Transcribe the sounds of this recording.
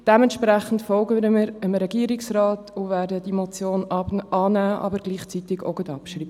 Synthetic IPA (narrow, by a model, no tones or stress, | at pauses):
d̥ɛmɛnt̪ʃpɾæχən̩tfɔlɡəəmɾəmɾɛɡiːɾiksrɑːtʰʊvæːɾdəd̥imɔt͡sjoːnɑʔɑːnæːʔɑ̰bəɾɡ̥liːχt͡sitɪɡɔ̰ɡədɑ̰pʃriːb